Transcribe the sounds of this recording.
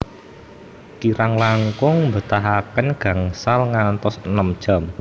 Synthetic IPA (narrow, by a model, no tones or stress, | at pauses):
kiɾaŋlaŋkʊŋmbə̤t̪aɦakənɡ̥a̤ŋsalŋant̪ɔsənəmd̥ʒ̥a̤m